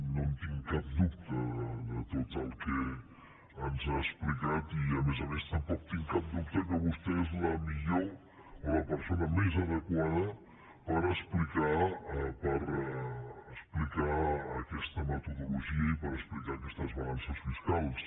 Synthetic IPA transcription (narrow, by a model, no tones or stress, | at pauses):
nont̪iŋkap̚d̪uk̚t̪əðət̪ot̪əlˠke | ənzaəsplikat̪iəmezəmest̪əmpɔk̚t̪iŋkap̚d̪uk̚t̪əkəβust̪ezləmiʎo | oləpəɾsonəmɛzəðəkwaðə | pəɾəsplikapəɾ | əsplikaːkɛst̪əmət̪uðuluʒiəipəɾəsplikaːkɛst̪əzβaɣansəsfiskalˠs